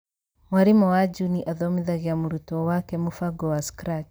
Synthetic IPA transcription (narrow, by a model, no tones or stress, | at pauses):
waɾimɔwad͡ʒuniʔaðɔmiðaɣiamuɾutɔwakɛmufaɡɔwaskɾat͡ʃ